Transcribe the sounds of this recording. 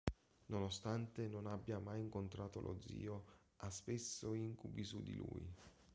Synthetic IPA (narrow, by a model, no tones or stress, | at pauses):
nonost̪ant̪enonabːjamajiŋkont̪ɾaːt̪olʔo̰d̪zːḭːo | aspesːoiŋkubisud̪ːḭlṵːj